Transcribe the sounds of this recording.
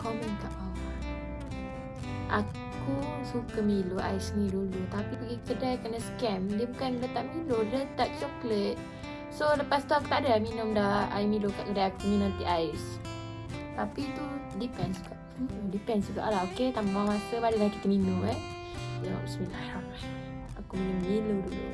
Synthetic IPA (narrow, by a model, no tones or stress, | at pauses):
kɔmink̪aʔa | ʔa̰ | kusukəmiluʔa̰ɪsnidulut̪apipəɡikədajkənəskɛmdiəbukanlət̪aʔmiludət̪aʔt͡ʃɔklet̪̚ | soləpast̪uaku̥t̪aʔdaminʊmdaha̰jimilukaʔkədajak̪uminʊmt̪iʔaɪs | t̪apit̪udipɛnsuɡaʔ | dipɛnsuɡa̰ʔlaoket̪amamasəbadəlahkit̪əminʊmɛ | jəna̰ʔsəmilaha | akuminʊmmiludulṵ